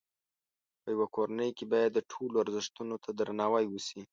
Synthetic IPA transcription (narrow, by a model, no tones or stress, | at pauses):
pəjawakoɾanəjkebɑjad̪ːəʈʰoloaɾzɪʂt̪unot̪ʰad̪ɾanɑwajwəsi